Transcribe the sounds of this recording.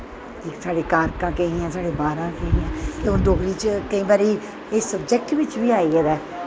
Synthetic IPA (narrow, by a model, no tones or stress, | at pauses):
kiːksaːɽeːkaːɾkãːkeɦĩːãːsaːɽeːbaːɾãːkeɦĩãːt̪eʊnd̪oːkɾiːt͡ʃkəiːbaːɾiː | esːəbd͡ʒɛk̚ʈʋɪt͡ʃbʱiːaːiːed̪ɛː